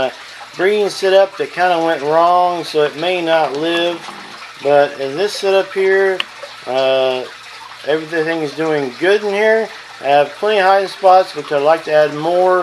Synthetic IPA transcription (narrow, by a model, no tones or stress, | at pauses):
bɹĩnsɛɾʌp̚ðɨt̚kʰãɪ̃ndəwɛ̃nʔɹɔ̃ŋsoʊɨt̚meɪnətˡlɪv | bʌɾɪ̃nðɪsɛɾʌphiɹ | ʌ | ʔɛvɹiθẽθɪ̃ŋɨzdʉɪ̃ŋɡʊɾn̩hiɹ | ɨv̥pʰl̥ɛ̃ñihaɪɨ̃ŋspɑtsb̥ɨt͡ʃaɪdlaɪk̚tʰɨæd̚mɔɹ